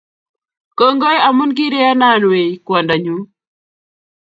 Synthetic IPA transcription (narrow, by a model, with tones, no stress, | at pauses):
ko˦ŋɡo˦ja˨mu˦nɡi˦ɾɪ˦a˦na˦˨nwe˨kwɔ˨nda˨ɲu˦